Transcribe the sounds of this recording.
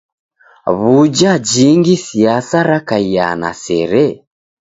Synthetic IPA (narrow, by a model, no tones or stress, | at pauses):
βud͡ʒad͡ʒiŋɡisiasaɾakaia̰na̰sɛɾɛ